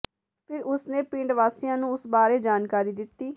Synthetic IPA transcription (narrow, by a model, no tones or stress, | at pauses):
pʰɪɾʊsnẽːpĩːɳɖʋaːsijãːnũːʊsbaːɾeːd͡ʒaːnkaːɾiːd̪ɪt̪ːiː